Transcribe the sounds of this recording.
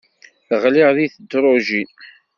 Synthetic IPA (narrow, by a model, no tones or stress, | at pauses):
θəʁlɪʁðiθəd̪ːɾˤoʒin